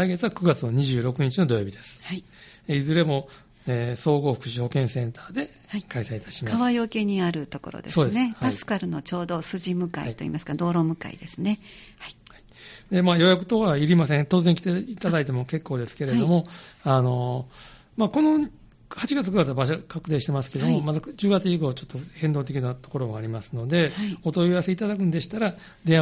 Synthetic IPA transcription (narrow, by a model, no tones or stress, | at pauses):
aiɡe̞t͡sɨβakɯ̟ɡat͡sɨno̞ɲ̟iʑɨːɾo̞kɯ̟ɲ̟it͡ɕino̞d̪o̞jo̞ːbʲid̪e̞sɨ̥hai | eizɨɾe̞mo̞ | eːso̞ːɡo̞ːɸɯ̟̥kɯ̟̥ɕiho̞kẽɰ̃sẽ̞nt̪aːd̪e̞ | akaisait̪ḁɕimaaβajo̞ke̞ɲ̟iaɾɯ̟t̪o̞ko̞̰ɾo̰d̪e̞so̞ːd̪e̞nehpaisɨ̥kaɾɯ̟no̞t͡ɕo̞ːd̪o̞sɨʑimɯ̟kaiḭt̪oḭːmasɨ̥kad̪o̞ːɾo̞mɯ̟ka̰ḭd̪e̞sɨne̞ | haihaid̪e̞majo̞jakɯ̟t̪o̞kaiɾʲimasẽt̪o̞ːzẽŋkʲi̥t̪eit̪ad̪ait̪e̞mo̞ke̞kːo̞ːd̪e̞sɨ̥ke̞ɾe̞d̪o̞mo̞ano̞ | mako̞no̞ | hat͡ɕiɡat͡sɨkɯɡat͡sɨɯbaɕokʰakɯ̟t̪ẽɕi̥t̪e̞masɨ̥ke̞d̪o̞momat̪ad͡ʑɨːɡat͡sɨiko̞ːt͡ɕo̞t̪ːo̞hẽ̞nd̪o̞ːt̪̬e̞kʲinat̪o̞ko̞ɾo̞moaɾʲimasɨno̞d̪e̞hio̞t̪o̞iβase̞it̪ad̪akɯ̟nod̪eɕi̥t̪aɾa | d̪ẽ̞ɰ